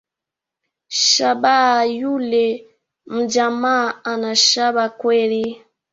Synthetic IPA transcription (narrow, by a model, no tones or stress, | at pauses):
ʃabajulɛ | m̩d͡ʒamaanaʃabakwɛɾi